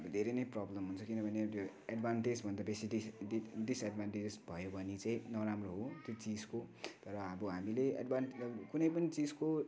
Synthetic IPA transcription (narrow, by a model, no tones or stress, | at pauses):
ʌbʌd̪ʱeɾʌjnʌjprʌblʌmɦunt͡sʰʌkinʌbʱʌnet̪jo | aɖbʱanʈed͡zbʱʌnd̪abesiiiɖisaɖbanʈed͡zbʱʌjobʱʌnit͡sãĩnʌɾamroɦot̪jot͡sid͡zkot̪ʌɾʌʌbʌɦamilea̰ɖbʱanʌkunʌjpʌnit͡sid͡zko